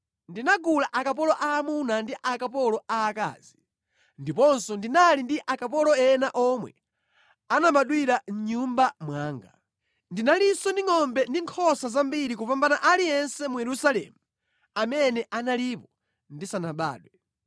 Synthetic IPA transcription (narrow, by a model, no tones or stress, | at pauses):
ndinaɡulaʔakap̬ɔlɔʔaːmunandiʔakapɔlɔaːka̰ːzi | ndipɔnsɔndinalindiʔakapɔlɔɛnaʔɔmwɛ̰ | anamaɗwiɾaɲ̩ɲumbamwaːŋɡa | ndinalisɔndiŋɔmbɛndiŋkʰɔsazambiɾikupambanaʔalijɛnsɛmujɛɾusalɛ̰ːmu | amɛnɛʔanalipɔ | ndisanaɓa̰ːɗwɛ